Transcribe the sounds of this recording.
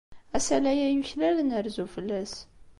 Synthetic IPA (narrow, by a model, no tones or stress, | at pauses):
æsælæjæjuçlælənæɾzufəlːæs